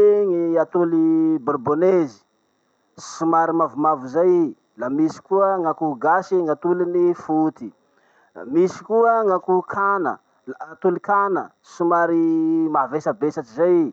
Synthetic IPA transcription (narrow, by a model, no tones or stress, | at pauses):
eŋiat̪uliborbonezi̥ | simaɾimavumavuzaj | lamisi̥kuəŋakuɡasiŋat̪ulinifut̪i | misi̥kuəŋakukʰanə̰ | lːt̪ulikanə̰ | simaɾimavesabesat͡ʃizaj